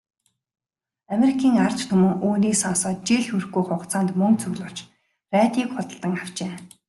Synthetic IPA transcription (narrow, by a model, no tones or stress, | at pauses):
ameɾikʰiːŋar̥t͡ɕt̪ʰɵmɵ̆ŋʔoːniːsɔnsɔːt̪̚t͡ɕiɮxurxɡujχʊqt͡sʰaːnt̪mɵŋt͡sɵɣɮʊːt͡ɕ | ræːt̪iːkχʊt̪ə̆ɬt̪ə̆ŋaw̥t͡ɕeː